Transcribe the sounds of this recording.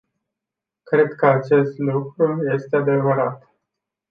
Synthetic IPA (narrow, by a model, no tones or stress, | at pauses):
kɾe̞d̪kəat͡ʃe̞st̪lukɾuje̞st̪ead̪e̞vəɾat̪